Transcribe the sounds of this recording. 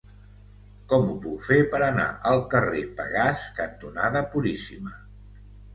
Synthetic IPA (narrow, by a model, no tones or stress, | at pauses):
kɔmupukfepəɾəna̰ʔəlˠkərepə̰ɣaskənt̪unaðəpuɾisimə